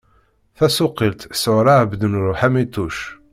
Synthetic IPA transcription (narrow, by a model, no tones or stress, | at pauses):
θæsʊqːilt̪sʊɾɑʕbd̪ənɾˤʊħæmit̪ːuʃ